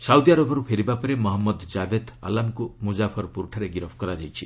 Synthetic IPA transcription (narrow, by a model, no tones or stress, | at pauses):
sawd̪iaɾɔbɔɾupʰeɾibapɔɾemɔɦɔmːɔd̪d͡ʒabed̪a̰lamkumud͡ʒapʰɔɾpuɾʈʰaɾeɡiɾɔpʰkɔɾad̪ejt͡ʃʰi